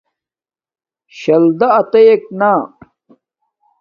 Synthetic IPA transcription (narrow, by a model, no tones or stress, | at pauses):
ɕɐld̪ɐːt̪ɐjek̚na